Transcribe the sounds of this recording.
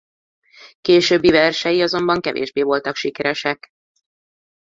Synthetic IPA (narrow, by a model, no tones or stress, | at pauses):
keːʃøːbːivɛrʃɛjiɒzo̞mbɒŋkɛvḛːʒbeːvo̞lt̪ɒkʃikɛɾɛʃɛk